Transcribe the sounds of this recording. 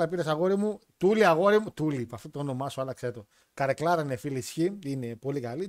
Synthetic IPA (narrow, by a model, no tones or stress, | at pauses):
lɐpiɾɐsɐɣo̞ɾimut̪uliɐɣo̞ɾimut̪ulipɐft̪ot̪oono̞mɐsuɐlɐkset̪o̞ | kɐɾeklɐɾɐinefilisçiine̞po̞likɐli